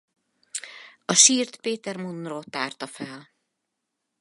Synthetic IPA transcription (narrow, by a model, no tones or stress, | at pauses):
ɒʃiːrt̪peːt̪ɛrmunroːt̪aːrt̪ɒfɛl